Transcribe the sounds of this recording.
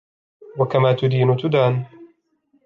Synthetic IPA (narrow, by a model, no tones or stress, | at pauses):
wakamaːt̪ʊd̪iːnʊt̪ʊd̪aːn